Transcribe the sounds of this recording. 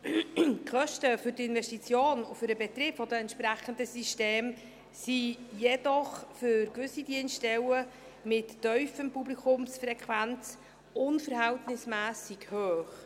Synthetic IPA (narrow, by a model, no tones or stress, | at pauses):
kχœʃtəfʏɾtɪnvɛʃtit͡sjoːnofʏɾəbɛt̪rɪːpfɔdəɛntʃpɾæχəndəsiʃteːm | sijɛdɔχfʏɾkvʏsidinsʃtɛlə | mɪtːœʏfəmpublikʰʊmsfrɛkʰvænt͡s | ʊnfəɾhæltnɪsmæːsɪɡhøːχ